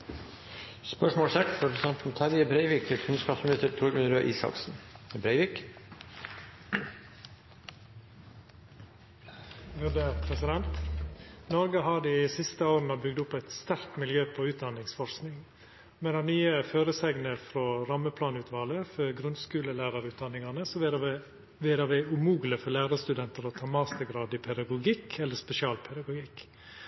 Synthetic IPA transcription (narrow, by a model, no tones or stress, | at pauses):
spœʂmoːlsɛt̪ɾɛpɾsɛnt̪n̩t̪ʰæɾjəbɾeɪʋɪk̚t̪ʰɪlkʰʉnskɑːpsmɪlɪst̪əɾt̪ʰɾʊɾɡʉnɾøːʔiːsɑ̰ksn̩bɾeɪʋɪk | ʋʉd̪əːpʰɾɛsɪd̪ɛnt̪ | nɔɾɡəɦɑːd̪iːsɪst̪əoːɾənəbʏɡ̚d̪ʊpæɪt̪st̪æɾkt̪mɪljøːpʰɔʉːt̪̚d̪ɑnɪŋsfɔɾsknɪŋ | mɛd̪ɛnyːəføːɾəsɛɡnəfɾoɾɑməpʰlɑːnʉːt̪ʰʋɑːləfɔɡɾʉnskʉːləlæːɾɑɾʉːt̪̚d̪ɑnːɪŋɑnəsɔ | ʋɪːd̪ɑʋæɪʉmuːɡləfɔlæːɾɑst̪ʉd̪ɛnt̪əɾoːt̪ʰɑːmɑːst̪əɡɾɑːd̪iːpʰɛd̪ɑɡʊɡɪkʰɛlːəspɛsɪɑːlpʰɛd̪ɑɡʊɡɪk